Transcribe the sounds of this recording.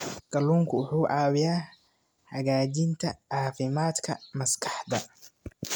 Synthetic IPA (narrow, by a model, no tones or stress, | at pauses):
ɡ̥ɐluːŋkʰʊʊħuːʔɑːwɪjaː | hɐɣaːt͡ʃɪnt̪ʰɐʕɑːfɪmaːd̪kʰɐmɐskʰɑ̥ħd̪ɐ